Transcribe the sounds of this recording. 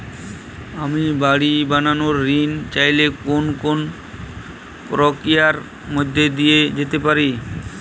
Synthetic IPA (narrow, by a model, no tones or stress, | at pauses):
amibaɽibananoɾːint͡ɕajlekonkon | kɾokijaɾ | mod̪ʱːed̪ijed͡ʑet̪epaɾi